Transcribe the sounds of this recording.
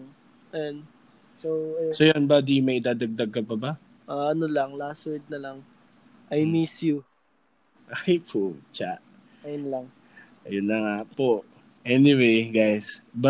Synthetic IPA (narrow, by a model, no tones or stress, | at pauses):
an | sosojanbad̪imɐjɪd̪aːd̪ɐɡ̚d̪ɐɡ̚kːɐpɐba | ʔaʔɐnolɐŋlasɔɹd̪̚nɐlɐŋ | ʔajmisju | ʔajpʰot͡ʃaʔ | ɐjʊnlaŋ | ʔɐjʊnːɐŋaʔpoʔ | ʔɛniwejɡajsbɐ